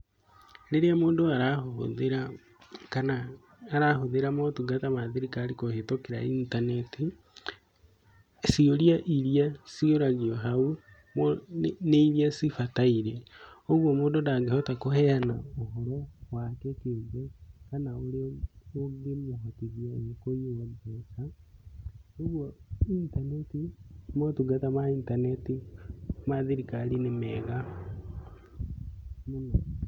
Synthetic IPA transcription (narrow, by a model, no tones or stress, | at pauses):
leɾeamoːndoaɾaoo̰ðeɾa | kanaː | ɾaɦoðeɾamotuɡatamaðeɾikaːɾikohetokeɾa̰intaneti | sioɾijaʔiɾiasioɾaɣiɔɦau | moneiɾiasifataiɾeoɣwomoːdodaɡehotakohɛanaohoɾowakekeɡekanaoleoɡimoɦotiɣjoekojozesa | oɣwointanetimotuɡatamaintanetimaðiɾikalinemɛɣa | muno